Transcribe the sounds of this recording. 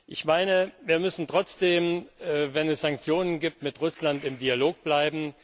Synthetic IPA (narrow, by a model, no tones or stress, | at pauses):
ʔɪçmaɪnəviːɐmʏsn̩tʁ̥ɔt͡sd̥eːmːvɛnɛsz̥aŋk̚t͡sjoːnənɡiːp̚tmɪtʁʊslantɪmdialoːk̚b̥laɪbm̩